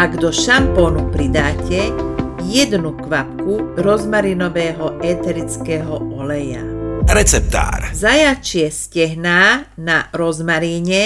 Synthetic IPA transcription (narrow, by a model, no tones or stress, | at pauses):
aɡd̪ɔʃampɔːnupɾid̪aːcɛjɛd̪nukʋapkuɾɔzmaɾinɔʋɛːɦɔʔɛːt̪ɛɾit͡skɛːɦɔɔlɛja̰ɾɛt͡sɛp̚t̪a̰ːɾzajat͡ʃɪɛscɛɦnaːnaɾɔzmaɾiːɲɛ